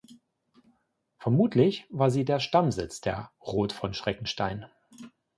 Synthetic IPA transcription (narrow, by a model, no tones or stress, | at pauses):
fɛɐmuːtʰlɪçvaːɐziːdeːɐʃtamzɪt͡sd̥eːɐʁoːtfɔnʃʁ̥ɛkŋ̩ʃta̰ɪn